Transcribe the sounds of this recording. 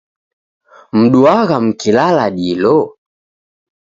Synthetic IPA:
m̩ɗuaɣam̩kilalaɗilɔ

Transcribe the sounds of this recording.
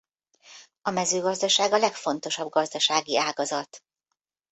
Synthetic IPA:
ɒmɛzøːɡɒzd̪ɒʃaːɡɒlɛkfo̞n̪t̪o̞ʃɒb̚ɡɒzd̪ɒʃaːɡiaːɡɒzɒt̪

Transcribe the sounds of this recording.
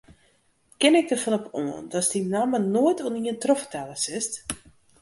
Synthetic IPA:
kɪnɪk̚dərfɔnɔpo̰əndɔsdinamənoətʰoniəntrɔfətʰɛləsɪst

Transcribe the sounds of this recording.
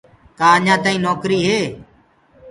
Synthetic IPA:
kaːəɲãːt̪ãːĩːnoːkɾiːɦeː

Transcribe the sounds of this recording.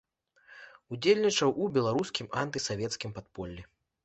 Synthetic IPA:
ud͡zʲelʲnʲit͡ʂɐwʔubʲɛlˠaɾuskʲimant̪ɨsavʲɛt̪skʲimpat̪pɔlʲːi

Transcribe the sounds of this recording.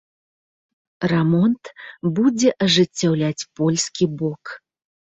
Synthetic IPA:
rɛmɔnt̪bud͡zʲɛʔɐʐɨt͡sʲːawlʲat͡sʲpɔlʲskʲibɔk

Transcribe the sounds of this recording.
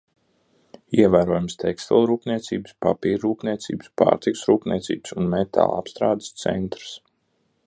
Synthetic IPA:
iɛvæːɾuɔjumst̪ʰɛkst̪ɛlˠɾuːpniɛt̪siːbɨspapiːɾːuːpnʲiɛt̪sḭːbɨspa̰ːɾt̪iku̥sɾuːpnʲiɛt̪sḭːbsunmɛt̪ʰa̰ːlˠa̰pst̪ɾaːd̪ə̥st̪sɛ̰nt̪ɾə̥s

